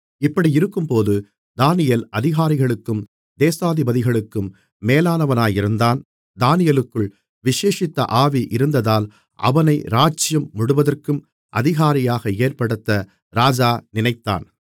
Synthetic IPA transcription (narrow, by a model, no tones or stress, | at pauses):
ɪpːɐɽiɪɾɯkːɯmpoːðɯ | d̪aːnɪjɐlɐðɪɣaːɾɪɣɐɭɯkːɯm | d̪eːsaːðɪbɐðɪɣɐɭɯkːɯmː | eːlaːnɐʋɐnaːjɪɾɯnd̪aːn | d̪aːnɪjɐlɯkːɯɭ | ʋɪʂeːʂɪt̪ːɐ̰ʔaːʋiʔɪɾɯnd̪ɐðaːl | ʔɐ̰ʋɐnɐɪɾaːt͡ʃːɪjɐmːʊɽʊʋɐðɐrkɯm | ʔɐ̰ðɪɣaːɾɪjaːɣɐeːrpɐɽɯt̪ːɐ | ɾaːd͡ʒaːnɪnɐɪt̪ːa̰ːn